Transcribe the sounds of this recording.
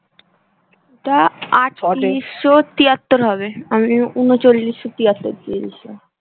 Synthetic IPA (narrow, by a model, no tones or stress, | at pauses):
etaaʈsːot̪iat̪ːoɾɦɔβeamiunot͡ɕolːisːot̪iat̪ːoɾt̪ilḭʃa̰